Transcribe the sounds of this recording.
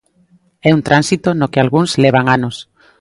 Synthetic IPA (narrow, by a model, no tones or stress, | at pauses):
ɛunt̪ɾʔansit̪onokealɣunzleβ̞aŋanos